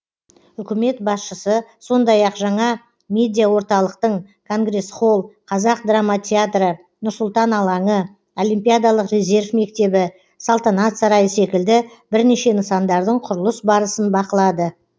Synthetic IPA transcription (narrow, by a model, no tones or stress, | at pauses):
ʏkʲɪme̞t̪̚bɑsʃəsəso̞nd̪ɑjɑqʒɑɴɑ | mʲe̞d̪ʲijawo̞ɾt̪ɑlˠəqt̪əɴ | kʰo̞ŋɡre̞sχo̞lˠqʰɑzɑq̚d̪ramːat̪ʲʰe̞at̪rə | nʊɾsʊlˠt̪ɑnɑlˠɑɴə | o̞limpʲijad̪ɑlˠəqrʲe̞zʲe̞rvme̞kt̪e̞bɪ | salˠt̪anat̪sɑɾɑjəse̞kʲɪld̪ɪ | bɪɾne̞ʃe̞nəsɑnd̪ɑɾd̪əɴqʰʊɾəlˠəsbɑɾəsənbɑqəlˠɑd̪ə